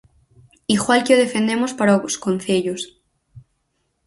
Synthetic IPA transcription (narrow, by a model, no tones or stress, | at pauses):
iɣwalkeoð̞efend̪emospaɾaooskon̟θeʎos